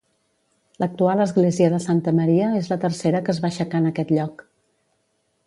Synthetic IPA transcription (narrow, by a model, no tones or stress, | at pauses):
lək̚t̪ualˠəzɣleziəðəsant̪əməɾiəezlət̪ərseɾəkəzβaʃəkanəkɛt̪ʎɔk